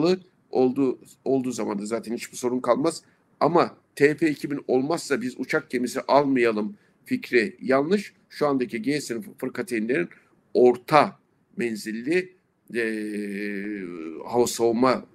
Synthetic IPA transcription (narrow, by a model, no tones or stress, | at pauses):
ɯ | od̪u | o̞lˠd̪uːzamand̪azaːt̪ʰɛnhit͡ʃbiso̞ɾunkʰalˠmaz̥ | amat̪ʰɛːpʰeːcʰibino̞lˠmasːabizut͡ʃʰak̚cʰe̞misiʔalˠmajalˠɯm | ficɾɛjalˠːɯʃ | ʃuand̪aciɟesinfɯɾkʰat̪ʰejinlʲeɾin | o̞ɾt̪ʰa | mɛnzilʲːi | ɛ | haasoma